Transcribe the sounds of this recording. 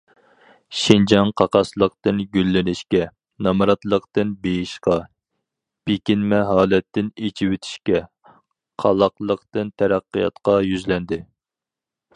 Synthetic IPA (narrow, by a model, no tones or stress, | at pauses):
ʃind͡ʒɑŋqʰɑqɑslˠəq̚t̪ɨnɡʲylːɪnɪʃkʲɛ | nɑmɑɾɑt̪lˠəqt̪ɨnbejiʃqɑ | pʰekʲinmɛɦɑːlɛt̪ːɪnet͡ʃʰiwɪt̪ʰɪ̥ʃkʲɛ | qʰɑlˠɑqlˠəqt̪ɨnt̪ʰæɾæqːijɑ̰t̪qɑjyzlɛnd̪ɪ